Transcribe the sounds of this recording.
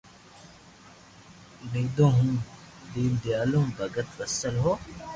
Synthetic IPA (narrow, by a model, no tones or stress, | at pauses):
ned̪õːɦũ | d̪iːnd̪jaːlõːmbɐɡət̪bɐsəlɦoː